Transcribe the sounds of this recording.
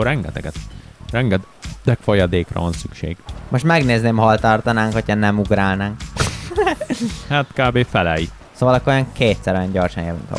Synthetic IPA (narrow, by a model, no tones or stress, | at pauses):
orɾɛŋɡɛt̪ɛɡɛt̪rɛŋɡɛt̪ | d̪ɛkfojɒd̪eːkrɒ̰vɒnsykʃḛːɡ̥mo̞ʃt̪mɛɡneːzneːmɦɒlt̪ɒrt̪ɒnaːŋkhocʰɒnɛmuɡɾaːlnaːŋk | hat̪kaːbeːfɛlɛji | soːvɒlɒkːoɾojɒŋkeːt̪sɛɾojɒɲɟorʃɒnjɛvy̰nt̪ɒ̰